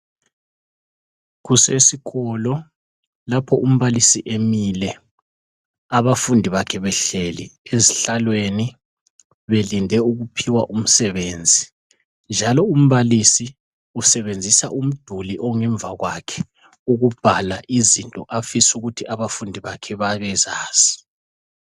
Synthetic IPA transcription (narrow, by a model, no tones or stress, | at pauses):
ɣusesiɣɔlɔ | lapʰɔʔum̩βalisiʔemilɛ | aβafundʱiβakʰɛβɛɬelḭeziɬalweni | βelindʱɛuɣupʰiwa̰ʔum̩sɛβeːnd͡zʱi | nd͡ʒʱalɔum̩βalisi | usɛβend͡zʱisa̰ʔum̩d̥ʱuliʔɔŋɛɱbvʱaɣwakʰɛ̥ | uɣub̥ʱalaʔizintʼɔ̰ʔafisuɣutʰiʔaβafundʱiβakʰɛβaβɛzaːz̥i̥